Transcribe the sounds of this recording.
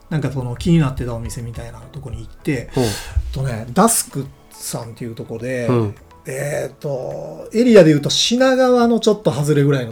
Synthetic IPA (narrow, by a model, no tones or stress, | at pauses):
nãŋkaso̞no̞kʲiɲ̟inat̪ːe̞t̪ao̞mʲise̞mʲit̪ainat̪o̞ko̞ɲ̟iːt̪ːe̞ | t̪ːo̞ne̞ːd̪asɨ̥kɯ̟ | sãnt̪e̞iɯ̟ːt̪oko̞d̪e̞ | et̪ːo̞e̞ɾʲiad̪eɯ̟ːt̪oɕinaɡaβano̞t͡ɕo̞t̪ːo̞ɦazɨɾe̞ɡɯ̟ɾaino